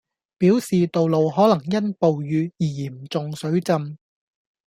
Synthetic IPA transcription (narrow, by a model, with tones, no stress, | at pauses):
piː˨˥wsiː˨t̪o˨wlo˨wɦɔː˨˥lɐ˨˩ŋjɐ˥npo˨wjyː˨˧jiː˨˩jiː˨˩m˨t͡sʊ˨ŋsɵ˨˥ɥt͡sɐ˨˧m